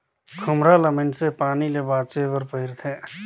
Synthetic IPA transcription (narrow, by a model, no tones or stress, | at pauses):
kʰʊmɾaləmɪnsepaːnilebaːd̪t͡ʃebəɾpəɪɾt̪ʰẽː